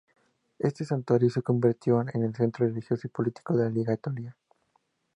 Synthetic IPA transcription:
e̞st̪e̞sant̪waɾjo̞seko̞mbiɾt̪jo̞enelse̞nt̪ɾorelixjo̞soipo̞lit̪i̥ko̞ðelaliɣaet̪olja

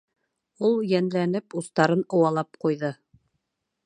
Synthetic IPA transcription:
ulˠjænlænɘpust̪ɑɾɤnŏwɑlˠɑp̚qujðɤ

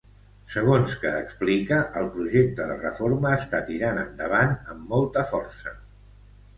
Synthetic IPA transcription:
səɣ̞onskəːksplikəʔəlˠpɾuʒek̚t̪əðərə̰foɾməːst̪at̪iɾanənd̪əβ̞anəmːɔlˠt̪əfɔrsə

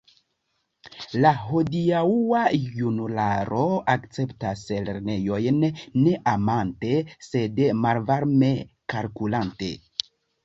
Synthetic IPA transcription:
laɦo̞diauajunulaɾo̞akt͡se̞ptasleɾne̞jo̞jnːe̞ʔamante̞se̞dmalvaɾme̞ | kalkulante̞̰

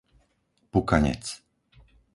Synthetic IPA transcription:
pukaɲɛ̰t͡s

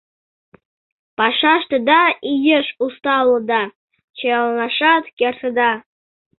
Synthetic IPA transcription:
pɑʃɑʃt̪əd̪ɑijəʃust̪ɑlˠːɤd̪ɑ | t͡ɕejɑlˠnɑʃɑt̪kʲert̪əd̪ɑ

